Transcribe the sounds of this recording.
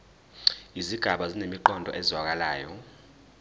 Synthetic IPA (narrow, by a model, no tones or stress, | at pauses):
iziɡ̥ʱaɓazinemiǃɔndʱɔ̰ʔɛzwak̬alaːjɔ